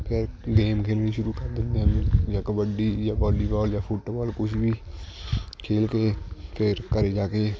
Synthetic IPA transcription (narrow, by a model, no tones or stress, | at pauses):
pʰɪɾɡeːmkʰeːlɳ̃iːʃʊɾuːkəɾd̪ɪnd̪eːəmd͡ʒaːkəbəɖiːd͡ʒaːbaːliːbaːld͡ʒãːpʰʊʈːbaːlkʊʃʋiː | kʰeːlkeːpʰɪɾkəɾeːd͡ʒaːkeː